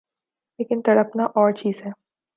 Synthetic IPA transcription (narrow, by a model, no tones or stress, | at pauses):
leːkɪnt̪ɐɽɐpnaʔɔːɾt͡ʃiːzɦɛː